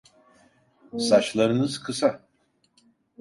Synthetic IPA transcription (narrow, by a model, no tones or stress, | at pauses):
sat͡ʃlˠaɾɯnɯz̥kʰɯsa